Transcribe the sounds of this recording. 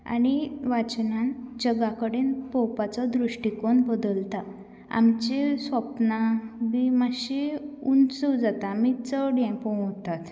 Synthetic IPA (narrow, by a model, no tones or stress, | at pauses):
a̰niʋat͡ɕnand͡ʑəɡakəɽenpɔwpat͡sɔd̪ɾuʂʈikoɳbəd̪əlt̪a | a̰mt͡ɕesʋəpnabimaɕeunt͡səwd͡zat̪amit͡səɽɛ̃pə̃t̪at̪